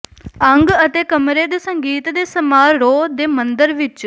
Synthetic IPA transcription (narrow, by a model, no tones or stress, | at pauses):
əŋɡət̪eːkəmɾeːd̪eːsəŋɡiːt̪d̪eːsəmaːɾɾoːd̪eːmənd̪əɾʋɪt͡ʃ